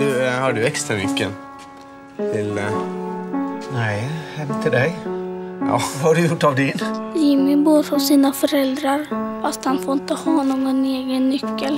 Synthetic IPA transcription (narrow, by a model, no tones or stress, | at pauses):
ʉhɑɖʉɛkst̪ɾamʏ̰kːə̰ | t̪ʰɪl | næɪhɛmt̪ʰɪld̪æɪjɑ̰ːhɑɖʉjʊʈːɑʋd̪ɪnjɪmɪbuːɾɔsiːnafɔɾɛld̪ɾaɾfast̪hɑnfoːɪnt̪əhɑːnoːɡɔneːɡənːʏkːəl